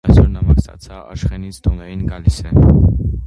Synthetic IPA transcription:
ɑsɔɾnɑmɑsɑ̰t͡sʰɑɑ̰ʃχɛnit͡sʰd̪ʰɔnɛjinɡɑlisɛ

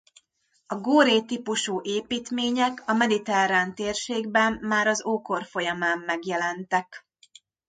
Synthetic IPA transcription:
ɒɡoːɾeːt̪ipuʃuːʔeːpiːt̪meːɲɛkɒmɛd̪it̪ɛɾaːnt̪eːrʃeːɡbɛmːaːɾɒzoːko̞rfo̞jɒmaːmːɛɡjɛlɛnt̪ɛk

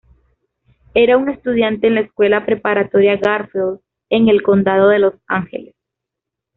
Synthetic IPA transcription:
e̞ɾauŋe̞st̪uðjant̪e̞ːnlaeskwe̞lapɾe̞paɾat̪o̞ɾjaɣaɾfel | e̞ŋe̞lko̞nd̪að̞o̞ðe̞lo̞saŋxe̞̰les

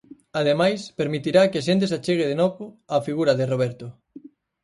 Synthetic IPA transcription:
aðemajspeɾmit̪iɾakeaʃ̬ẽnt̪̬esat͡ʃeɣeðenoβʊafiɣuɾɐðeroβ̞ɛɾt̪ʊ

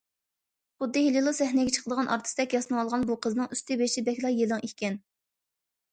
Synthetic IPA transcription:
χʊd̪ːɪhililˠɨsɛhnɛɡʲɛt͡ʃʰə̥qʰəd̪əʁɑnʔɑ̰ɾt̪ʰɨ̥st̪ɛkʲjɑsɨnəŋɑlˠʁɑnbuqʰəznɨŋyst̪ɪbeʃɪbɛkʲlˠɑjelɨŋihʲkʲɛn

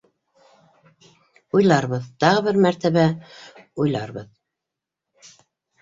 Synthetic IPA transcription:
ujlˠɑɾβɤðt̪ɑʁɤβɘɾmæɾt̪æβæ | ujlˠɑ̰ɾβɤð

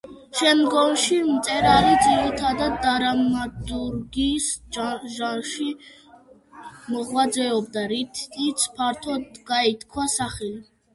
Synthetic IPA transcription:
ʃɛmd̪ɡɔnʃimt̪sʼɛɾalid̪ziɾit̪ʰad̪ad̪ːaɾamad̪uɾɡisʒanʃi | mɔʁwad̪zɛɔbd̪aɾit̪ʰit̪sʰpʰaɾt̪ʰɔd̪ɡait̪ʰkʰwasaχɛli

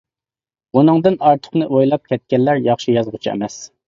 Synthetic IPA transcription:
unɨŋd̪ɨnɑɾt̪ʰə̥χnɨʔojlˠɑp̚kʲʰɛt̪̚kʲɛnlæɾjɑχʃijɑzʁʊt͡ʃʰiɛ̰mɛs

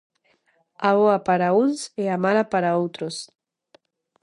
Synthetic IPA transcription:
aβoapaɾaunseamalapaɾaowt̪ɾos

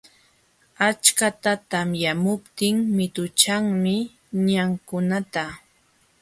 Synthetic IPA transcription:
at͡ʃkat̪at̪amjamʊpt̪ɪŋmɪt̪ʊt͡ʃaŋmɪ | ɲaŋkʊnat̪a

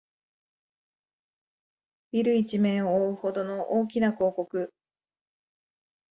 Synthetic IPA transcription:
b̥ʲiɾɯ̟it͡ɕimẽɰoːɯ̟ho̞d̪o̞no̞ʔoːkʲinako̞ːko̞kɯ̟

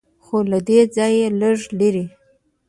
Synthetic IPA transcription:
xolad̪ed͡zɑjeləʐleɾi

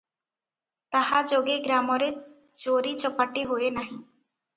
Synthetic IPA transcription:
t̪əɦad͡ʒoːɡeɡɾaːmoɾe | d͡ʒoːɾit͡ʃəpəʈeɦʊenaːɦĩ

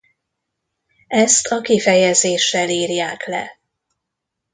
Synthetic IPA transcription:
ɛst̪ʰɒkifɛjɛzeːʃːɛliːrjaːklɛ̰

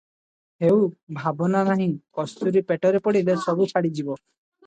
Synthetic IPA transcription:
hewbʱabɔnanaɦĩŋkɔst̪uɾipeʈɔɾepɔɽilesɔbut͡ʃʰaɽid͡ʒibɔ

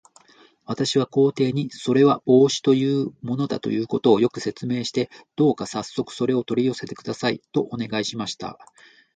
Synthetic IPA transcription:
βat̪aɕiβako̞ːt̪e̞ːɲ̟iso̞ɾe̞βao̞ːɕi̥t̪o̞jɯ̟ːmo̞no̞d̪a̰t̪o̞̰jɯ̟ːko̞t̪o̞ːjo̞kɯ̟se̞t͡sɨme̞ːɕi̥t̪e̞d̪̥o̞ːkasasːo̞kɯ̥so̞ɾe̞o̞t̪o̞ɾʲijo̞se̞t̪e̞kɯ̟d̪asaḭt̪o̞ʔone̞ɡaiɕimaɕi̥t̪a̰

